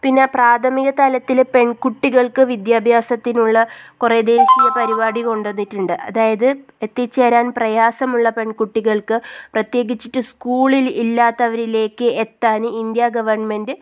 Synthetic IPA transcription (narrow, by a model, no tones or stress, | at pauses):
pinːe̞praːt̪ʰɐmiɣɐt̪ɐlɐt̪ːilpe̞ɳkuʈːiɣɐɭkɨʋid̪jaːbʱjaːsɐt̪ːinuɭːɐkured̪e̞ːɕijɐpɐɾibaːɽiko̞ɳɖenːiʈːuɳɖɨʔɐ̰ðaːjɐðɨ | et̪ːit͡ɕːeːɾaːnprɐjaːsɐmuɭːɐpe̞ɳkuʈːiɣɐɭkɨprɐt̪je̞ːɣit͡ɕːiʈːɨskuːɭililːaːt̪ːɐʋɐɾile̞ːkːɨet̪ːaːnɨind̪jaɡɐʋɐrɳme̞ndɨ